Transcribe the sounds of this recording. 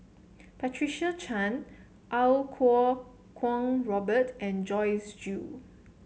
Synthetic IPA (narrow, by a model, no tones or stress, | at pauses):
pɛtʰɹiʃat͡ʃʰãn | ʔalkʰɔ | kʰwɔ̃ŋɹɔbətɛ̃nd͡ʒɔɪsd͡ʒu